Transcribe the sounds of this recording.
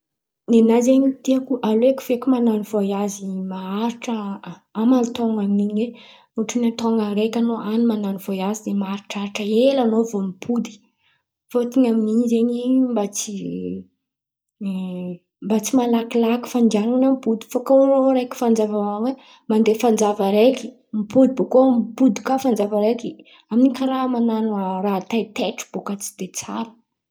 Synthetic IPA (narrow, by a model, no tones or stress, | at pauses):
nenazeɲit̪iakuʔaloeku̥fekʲumananivojazimaaɾiʈ͡ʂə | amalt̪oŋaminiɲe | uʈ͡ʂunat̪oŋaɾekanoʔanimananivojazid̪emaaɾiʈ͡ʂaɾiʈ͡ʂəelanovomibʰud̪i̥ | fot̪iɲaminiɲzeɲimbat͡si | mbat͡simalakilaki̥fand͡ʒanunamipud̪i̥fakoɾoɾekʲi̥fand͡zavamawe | mand̪efand͡zavəɾeki̥ | mipud̪ibokomipud̪ikafand͡zavaɾeki | aminikaɾamananuarat̪ajt̪eʈ͡ʂu̥b̥okat͡si̥d̪̥et͡sa̰ɾə̥